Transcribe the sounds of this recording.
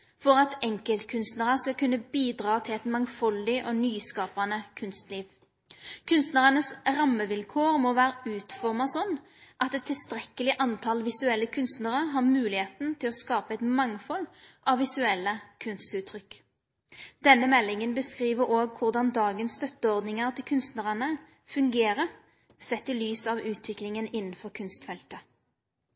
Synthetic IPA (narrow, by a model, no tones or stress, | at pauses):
fɔʁɑt̪ɛŋkəlt̪kʰʉnst̪nəʁəskɑlkʰʉnːəbiːd̪ʁɑːt̪ʰɪlɛt̪mɑŋfɔld̪ɪʔɔːnyːskɑːpɑnəkʰʉnst̪liːʋ | kʰʉnst̪nəʁənəsʁɑmːəʋɪlkʰoːʁmoːʋæːɾəʉːt̪fɔʁmɑsɔnː | ʔɑt̪ɛt̪ʰːɪlst̪ʁɛkːəlɪʔɑnt̪ʰɑlʋɪsʉɛlːəkʰʉnst̪nəʁəɦɑʁmʉːlɪheːt̪n̩t̪ʰɪlɔskɑːpəɛt̪mɑŋfɔlʔɑʋʋːɪsʉɛlːəkʰʉnst̪ʉːt̪ʰːʁʏkː | d̪̥ɛnːəmɛlːɪŋənbəskʁiːʋəɾoːɡ̚kʰʊʁd̪ɑnd̪ɑːɡənst̪œt̪ːəɔʁd̪nɪŋəʁt̪ʰɪlkʰʉnst̪nəʁənə | fʉŋɡeːʁə | sɛt̪ːɪlyːsɑʋʉːt̪ʰʋɪklɪŋənɪnːn̩fɔʁkʰʉnst̪fɛlt̪ə